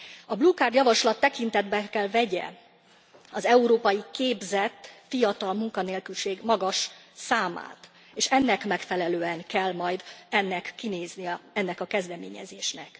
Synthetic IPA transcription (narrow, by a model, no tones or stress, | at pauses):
ɒblukard̪jɒvɒʃlɒt̪ːɛkint̪ɛd̪bɛkɛlvɛɟɛ̰ | ɒzɛuɾoːpɒjikeːbzɛt̪fijɒt̪ɒlmuŋkɒneːlkylʃeːɡmɒɡɒʃsaːma̰ːt̪ | eːʃɛnːɛkmɛkfɛlɛløːɛŋkɛlmɒjd̪ɛnːɛkːineːznijɛɛnːɛkɒkɛzd̪ɛmḛːɲɛ̰zeːʃnɛk